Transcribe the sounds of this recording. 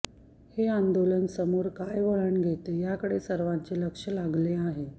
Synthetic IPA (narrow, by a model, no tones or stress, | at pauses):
heand̪olənsəmoɾkajʋəɭəɳɡʱet̪ejakəɽesəɾʋãɲt͡ɕeləkʂəlaɡleaɦe